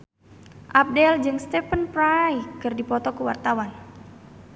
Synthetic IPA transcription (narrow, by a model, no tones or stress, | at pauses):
ʔap̚dɛld͡ʒɨŋst̪ɛpənpɾajkɨrdipɔt̪ɔkuwart̪awan